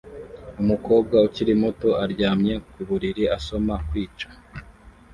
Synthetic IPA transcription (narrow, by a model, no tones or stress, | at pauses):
umuko̞ːb̚ɡauciɾimuto̞aɾɟaːmɲe̞kuβuɾiɾiaso̞makwiːt͡ʃḁ